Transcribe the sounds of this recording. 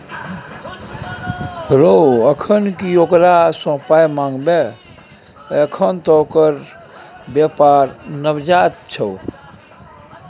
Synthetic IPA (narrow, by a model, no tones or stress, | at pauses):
ɾoəkʰənkiokɾasə̃pajmãŋɡbe | əkʰənt̪ɔkəɾ | bjapaɾnəbd͡ʒat̪̚t͡ʃʰəw